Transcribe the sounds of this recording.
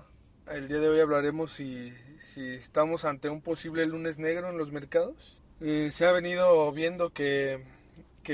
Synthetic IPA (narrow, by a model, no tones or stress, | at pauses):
e̞ld̪iaðe̞o̞jaβ̞laɾe̞mo̞sːisiest̪amo̞sant̪e̞umpo̞siβle̞lune̞zne̞ɣɾo̞enlo̞zme̞ɾkaðo̞s | eseaβe̞niðo̞βje̞nd̪o̞ke | ke